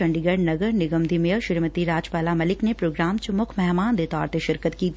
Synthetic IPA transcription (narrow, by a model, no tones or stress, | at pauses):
ɐ̃ɳɖiɡəɖnɐɡəɾnɪɡəmd̪ʱimejəʃɪɾmət̪iɾaːd͡ʒpaːlamɐlɪknepɾoːɡɾaːmt͡ʃʊmʊkʰmɛɦmaːnd̪eːt̪ɔːɾt̪eʃɪɾkət̪kiː